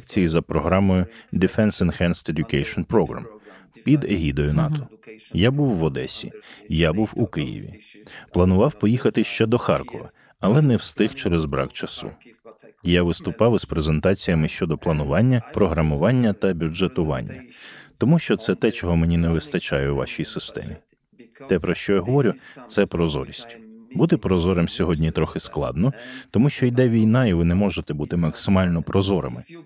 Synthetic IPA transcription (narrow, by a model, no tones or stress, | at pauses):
k̚t͡sʲijizɐpɾɔɦɾɑmɔjʊd̪ɪfɛnsɪnxɛnst̪ed̪ʲʊkɛjʃɔnpɾɔɦɾɐ̰mpʲid̪eɦʲid̪ɔjʊnɑ̰t̪ɔjabuwːɔd̪ɛsʲḭjabuwukɪjḭʋʲḭ | plˠɐnʊʋɑwpɔjixɐt̪ɪʃt͡ʃɛd̪ɔxɑrkɔʋɐ̰ | ɐlˠɛnɛwst̪ɪxt͡ʃɛɾɛzbɾɑ̰kt͡ʃɐsṵ | jaʋɪst̪ʊpɑwspɾezent̪ɑt͡sʲijɐmɪʃt͡ʃɔd̪ɔplˠɐnʊʋɑnʲːɐpɾɔɦɾɐmʊʋɑnʲːɐt̪ɐbʲud͡ʒet̪ʊʋɑ̰nʲːɐ̰t̪ɔmuʃt͡ʃɔt̪sɛt̪ɛt͡ʃɔɦɔmenʲinɛʋɪst̪ɐt͡ʃɑjʊwʋɑ̰ʃijsɪst̪ɛ̰mʲi | t̪ɛpɾɔʃt͡ʃɔjaɦɔʋɔɾʲʊt̪sɛpɾɔzɔ̰ɾʲisʲtʲbut̪ɪpɾɔzɔɾɐmsʲɔɦɔdʲnʲit̪ɾɔxɪsklˠɑ̰d̪nɔt̪ɔmuʃt͡ʃɔjd̪ɛʋʲijnɑiʋɪnɛmɔʒet̪ɛbut̪ɪmɐksɪmɑlʲnɔpɾɔzɔɾɐ̰mɪ